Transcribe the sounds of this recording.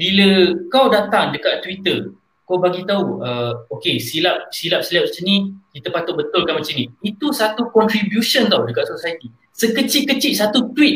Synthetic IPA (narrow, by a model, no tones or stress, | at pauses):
biləkawdat̪aŋdəkaʔt̪ːwit̪ər | kabaɡit̪auəokesilap̚silap̚silap̚t͡ʃənĩkit̪əpat̪ʊt̪ʔ̚bət̪ʊlkanmat͡ʃənĩit̪usat̪ukɔnt̪ɾibjusont̪awdəkatʔ̪̚sosajt̪i | səkət͡ʃiʔkːət͡ʃiʔsat̪ut̪wit̪̚